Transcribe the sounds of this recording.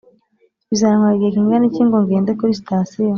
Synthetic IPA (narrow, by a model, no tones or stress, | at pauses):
βizaɾaŋwaɡiekiŋɡaniciːŋɡoŋɡeːndekoɾistaːsijo